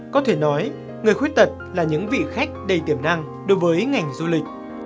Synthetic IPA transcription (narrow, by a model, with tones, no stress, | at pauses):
kɔ˨˦t̪ʰe˧˩nɔ˨˦j | ŋɨ˨˩əjxwt̚t̪ə˨˩t̚laː˨˩ɲɨ̰˧˥ŋvḭ˧˨xa˦˥jk̟̚ɗə˧˩jt̪i˧˩əmna˧ŋ | ɗo˨˦jvəː˨˦jŋa˨˩jŋ̟zu˧lï˨˩k̟̚